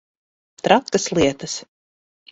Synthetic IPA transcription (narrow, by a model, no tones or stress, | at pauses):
t̪ɾat̪kɐslˠiɛt̪ɐs